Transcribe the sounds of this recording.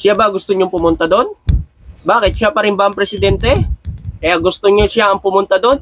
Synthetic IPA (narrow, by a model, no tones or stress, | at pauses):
sjabaɡʊst̪oɲoŋpʊmʊnt̪ad̪o̞n | baːkɪt̪̚ʃapɐɾɪmbaʔɐŋpɾɛsɪd̪ɛnt̪ɛkɐjaʔɡʊst̪oɲoʃɪaɐŋpʊmʊnt̪ad̪o̞n